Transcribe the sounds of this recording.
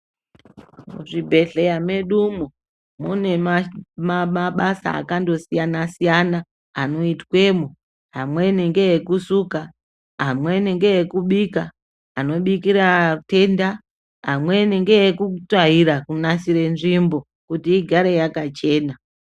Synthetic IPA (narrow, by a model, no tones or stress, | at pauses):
mṵʐibʱe̞ɮe̞jameɗumu | mune̞mamaɓasa̰ːkando̞sijanasijanaː | no̞itwe̞mu | ɦamwe̞neŋɡe̞jekusuka | ɦamweneŋɡe̞jekuɓikaː | no̞ɓikiɾate̞nda | ɦa̰mwe̞neŋɡe̞jekutaɦiɾakunasiɾe̞nʐimbo̞ | kutiːɡʱaɾe̞jakat͡ʃe̞ːna